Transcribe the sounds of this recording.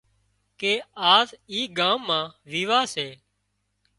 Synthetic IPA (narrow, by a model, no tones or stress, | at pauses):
keːaːziːɡãːmːãːʋiːʋaːseː